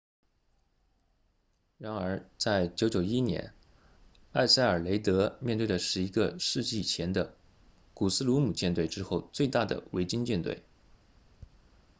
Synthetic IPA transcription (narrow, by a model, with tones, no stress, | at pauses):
ɻa˧˥nə˞˧˥t͡sa˥˩ɪt͡ɕjo˧˥ʊt͡ɕjo˨˩ʊi˥njɛ̰˧˥n | a˥˧ɪsa˥˩ɪə˞˨˩le˧˥ɪt̪ɤ˧˥mʲjɛ˥˧nt̪we˥˩d̪ə˩ʂɻ̩˥˩i˧˥ɡə˧ʂɻ̩˥˧t͡ɕi˥˩t͡ɕʰjɛ˧˥nd̪ə˧ | ku˨˩sɹ̩˥lu˧˥mu˨˩t͡ɕjɛ˥˧nt̪we˥˩ɪʈ͡ʂɻ̩˥xo˥˧ʊt͡swe˥˧ɪt̪a˥˩d̪ə̰˩we˧˥ɪt͡ɕi˥ŋt͡ɕjɛ˥˧nt̪wḛ˥˩ɪ